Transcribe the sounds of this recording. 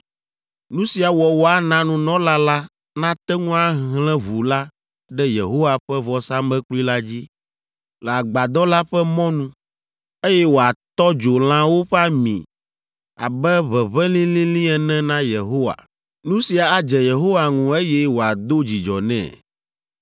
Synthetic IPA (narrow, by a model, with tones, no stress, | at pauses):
nũ˦si˨a˨wɔ˨wɔ˨a˦nã˦nũ˦nɔ̃˦la˦la˦ | nã˦t̪ɛ˦ŋũ˦a˦ɦlɛ̃˦βu˨la˦ | ɖɛ˦je˨ɦo˦wa˨ɸɛ˦vɔ˨sa˦mɛ̃˦k͡plu˦i˦la˦d͡ʑi˦ | lɛ˨a˨ɡ͡ba˨d̪ɔ˦la˦ɸɛ˦mɔ̃˦nũ˦ | e˦jɛ˦wo˨a˨t̪ɔ˦d͡ʒo˨l̃ã˦wo˦ɸɛ˦a˦mḭ̃˨ | a̰˨bɛ˦βɛ˨βɛ̃˦lĩ˦lĩ˦lĩ˦ɛ˨nɛ̃˦nã˦je˨ɦo˦wa̰˨ | nũ˦si˨a˨a˨d͡ʒɛ˨je˨ɦo˦wa˨ŋũ˨e˦jɛ˦wo˨a˨d̪o˦d͡ʑi˨d͡ʒɔ̰˨nɛ̰̃˦˨